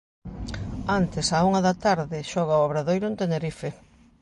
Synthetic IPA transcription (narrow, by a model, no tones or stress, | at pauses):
ant̪ɪsauŋɐðɐt̪aɾðɪʃɔɣaoaβɾaðojɾʊent̪eneɾife